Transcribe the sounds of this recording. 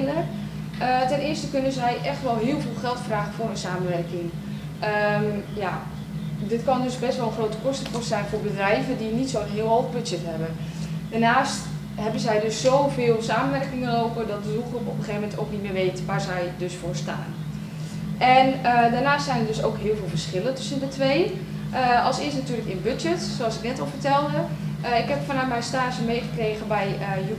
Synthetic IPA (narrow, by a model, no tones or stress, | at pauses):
nə | ətɛnɪːstəkønəzɛjʔɛxtʋɔlˠɦɪəlˠviːlˠxɛlˠtfraːɣəfʊːrənsaːməʋɛrkɪŋ | əja | dɪtkɔndøsbɛstʋɔlˠəxroːtə̥kɔstəprɔstsɛjnfʊːrbədrɛjvədinitsoɦɪəlˠɔvbød͡ʒɛtɦɛbə | danaːst | ɦɛbənzɛjdøssoːwvɪːlˠsaːmənʋɛrkɪŋənowpədɔt̚dədulˠxrupɔpəχeːvəmɛntowknitmɪːʋeːtʋaːɹzɛjdøsfʊːrsta̰ːn | ʔɛnədaɹnaːstsɛjnədøsoːkɦɪəlˠvɪːlˠvərsχɪlətʏsəndətʰʋej | ʔəɑlˠsɪəstnatyːləkɪnbɵd͡ʒɛtsoɑsɪknɛtɔlˠvərtɛlˠdəɪkɦɛpfɔnamɛjnstaːʃənmejχəkreːɣəbɛjəj